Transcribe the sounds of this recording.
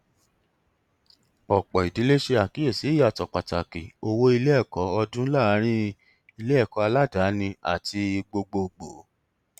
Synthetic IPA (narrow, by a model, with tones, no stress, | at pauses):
ɔ˨k͡pɔ˨i˨di˨˦le˦ʃe˧a˨ki˨˦e˦˨si˨˦ja˦˨tɔ˨k͡pa˨ta̰˨kḭ˨o˧wo˦i˧le˦ɛ˦˨kɔ˨˦ɔ˧dũ˦la˦˨˦ɾ̃ĩ˦ | i˧le˦ɛ˦˨kɔ˨˦a˧la˦da˨˦nĩ˧a̰˦˨ti˧i˧ɡ͡bo˧ɡ͡bo˧ɡ͡bo˨˦